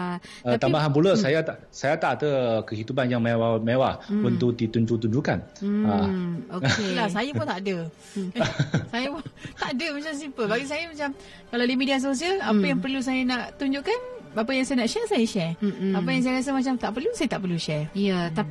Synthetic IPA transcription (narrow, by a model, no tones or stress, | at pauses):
a | əat̪ambaɦanpuləsajat̪a | sajat̪aʔt̪əkəhit̪ubanjaŋmewamewahbənt̪uk̚d̪it̪uɲd͡ʒut̪uɲd͡ʒuka̰naoelasajapunt̪aʔdə | sajapnt̪aʔdəmat͡ʃams̬impəlbaɡis̬ajamat͡ʃam | kaladaimidias̬os̬ialapajaŋpərlus̬ajanaʔt̪uɲd͡ʒuʔkanapajaŋsajanaʔʃɛrsajaʃɛrap̬ajaŋs̬ajaɾas̬əmat͡ʃamt̪aʔpərlusajat̪aʔpərluʃɛrəa